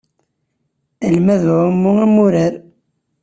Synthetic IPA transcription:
əlmæðʕəmːʊæmuɾəɾ

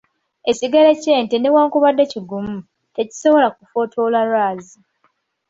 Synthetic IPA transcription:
e̞ciɡeleceːntenewaːŋkuβadːeciɡumu | te̞ci̥so̞βo̞lakufo̞tʰolalwaːzi

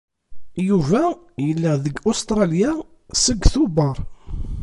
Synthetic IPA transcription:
juvæ | jəlːəðəɡʊst̪ɾɑlja | səɡːθubɑɾˤ

